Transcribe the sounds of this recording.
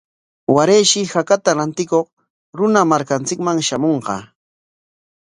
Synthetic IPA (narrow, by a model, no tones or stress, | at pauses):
waɾejʃɪhakat̪aɾant̪ɪkoq | ɾʊnamaɾkant͡sɪkmaŋʃamoɴqɑ̰